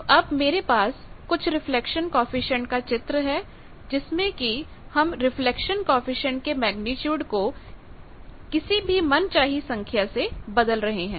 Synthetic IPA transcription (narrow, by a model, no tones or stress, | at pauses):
ʔɐbmeːɾepaːskʊt͡ʃʰɾɪflɛkʃənkɔ̃ːfɪʃə̃ɳʈ̚kat͡ʃɪt̪ɾəɦɛ | d͡ʒɪsmẽki | hɐmɾɪflɛkʃənkɔ̃ːfɪʃə̃ɳʈ̚kemɛːɡnɪtjuːɖko | kɪsibʱimɐnt͡ʃaːɦisɐ̃ŋkʰjasebɐd̪əlɾɐɦeɦɛ̃ː